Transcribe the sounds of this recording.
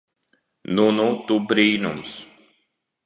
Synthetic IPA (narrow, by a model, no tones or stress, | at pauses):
nunut̪ubɾiːnums